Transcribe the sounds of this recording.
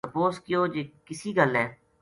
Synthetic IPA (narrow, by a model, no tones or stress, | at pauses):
əpoːskɪjoːd͡ʒeːkɪsiːɡəlɦɛː